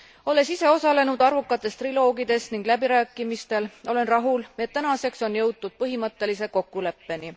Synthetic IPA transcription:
o̞le̞sise̞o̞sɑle̞nud̪̥ɑrvukːˑɑt̪ːˑe̞st̪rilo̞ːɡid̪e̞sniŋɡ̥læbiɾæːkːˑimist̪e̞lo̞le̞nrɑɦulet̪ːænɑse̞kso̞njɤwt̪̚ːud̪̥̚pɤɦimɤt̪ːe̞lise̞ko̞kːˑule̞pːe̞ni

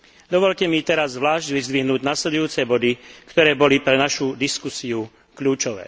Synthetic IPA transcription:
d̪ɔʋɔʎcɛmit̪ɛɾazzʋlaːʒɟʋizd̪ʋiɦnuːɟnaːslɛd̪ujuːt͡sɛbɔd̪ikt̪ɔɾɛːbɔlipɾɛnaʃud̪iskusiu | kʎuːt͡ʃɔʋɛ̰ː

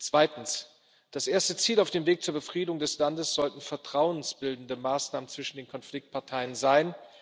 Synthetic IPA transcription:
t͡sv̥aɪtn̩s | d̥asʔeːɐstət͡siːlaʊfd̥eːmveːk̚t͡suːɐbəfʁ̥iːdɪʊŋdɛslandəsz̥ɔltn̩fɛɐtʁ̥aʊənsb̥ɪldn̩dəmaːsnaːmənt͡sv̥ɪʃn̩deːnkʰɔnflɪk̚t̚pʰaɐtʰaɪənzaɪn

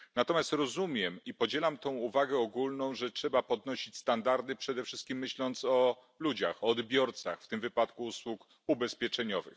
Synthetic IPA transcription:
nat̪ɔmʲjast̪ɾɔzumʲjɛmipɔd͡ʑɛlamt̪ɔ̃w̃uvaɡɛɔɡulnɔ̃w̃ʐɛtʂɛbapɔd̪nɔɕit͡ɕst̪and̪aɾd̪ɘpʂɛd̪ɛfʂɘst̪̚kʲimːɘɕlɔnt̪sɔ | lud͡ʑaxɔːd̪bʲjɔɾt̪sa̰xft̪ɘmvɘpat̪kuuswuk | ubɛspʲjɛt͡ʂɛɲɔvɘ̰x

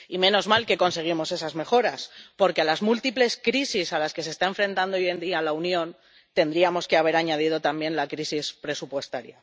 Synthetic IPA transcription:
imẽ̞no̞zmalke̞ko̞nse̞ɣ̞imo̞se̞sazme̞xo̞ɾaspo̞ɾke̞alazmult̪iple̞skɾisisalaske̞se̞st̪ae̞ɱfɾẽ̞nt̪and̪oooje̞nd̪ialaunjõ̞n | t̪e̞nd̪ɾiamo̞ske̞aβ̞e̞ɾaɲað̞ið̞o̞t̪ambje̞nlakɾisispɾe̞supwe̞st̪aɾja

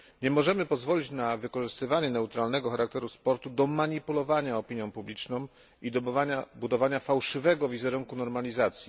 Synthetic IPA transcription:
ɲɛmɔʐɛmɘpɔzvɔlʲit͡ɕnavɘkɔʐɘst̪ɘvaɲɛnɛwt̪ɾalnɛɡɔxaɾakt̪ɛɾuspɔɾt̪ud̪ɔmaɲipulɔvaɲaɔpʲiɲjɔ̃w̃publʲit͡ʂnɔ̃w̃ | id̪abud̪ɔvaɲafawʂɘvɛɡɔvʲizɛɾuŋkunɔɾmalʲizat̪sʲji

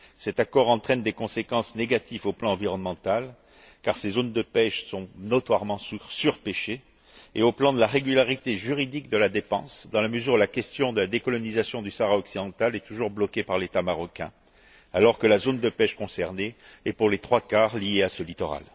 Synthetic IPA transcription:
sɛt̪akɔʁɑ̃t̪χɛnd̪ekɔ̃sekɑ̃sneɡat̪ivoplɑ̃ɑ̃viʁɔnmɑ̃t̪al | kaʁsezond̪əpɛʃsɔ̃nɔt̪waʁmɑ̃ssyʁpeʃe | eoplɑ̃d̪əlaʁeɡʲylaʁit̪eʒyʁid̪ikd̪əlad̪epɑ̃sd̪ɑ̃laməzyʁulakʲɛst̪jɔ̃d̪əlad̪ekɔlɔnizasjɔ̃d̪ysaʁaɔksid̪ɑ̃t̪alɛt̪uʒuʁblɔkʲepaʁlet̪amaʁɔkʲɛ̰̃ | alɔʁkəlazond̪əpɛʃkɔ̃sɛʁneɛpuʁlet̪χwakaʁlijeasəlit̪ɔʁa̰l

